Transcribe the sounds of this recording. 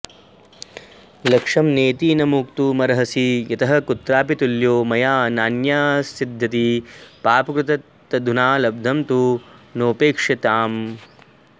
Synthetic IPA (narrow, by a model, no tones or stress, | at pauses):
lɐkʂɐmneːt̪iːnɐmuːkt̪umɐɾɐɦɐsijɐt̪ɐɦɐkut̪ɾaːpit̪uljoːmɐjaːnaːnjaːsid̪ʱːɐt̪ipaːpɐkɾut̪ɐt̪ː | ɐd̪ʱunaːlɐb̚d̪ʱɐmt̪unoːpeːkʂit̪aːm